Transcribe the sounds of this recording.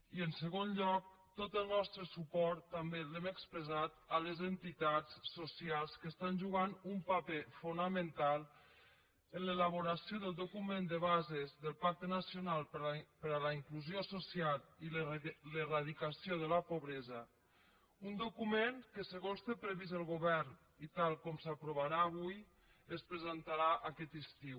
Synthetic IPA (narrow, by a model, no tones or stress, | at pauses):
iənsəɣonʎɔk̚t̪ot̪əlˠnɔst̪ɾəsupɔɾt̪ːambelɛməkspɾəzat̪aləzənt̪it̪at͡ssosialˠskəst̪anʲʒuɣ̞anumpapefunamənt̪alˠ | ənlelaβ̞oɾasjoðəlˠd̪okumend̪əβazezðəlˠpak̚t̪ənasjonalˠpəɾalaiŋkluzjososialilleraðikasjoðəlapoβɾɛza | und̪okumeŋkəsəɣonst̪epɾəβizəlˠɣoβɛɾn | it̪alˠkɔmsapɾuβaɾaːβ̞uj | əspɾəzent̪aɾaʔakɛt̪ist̪iw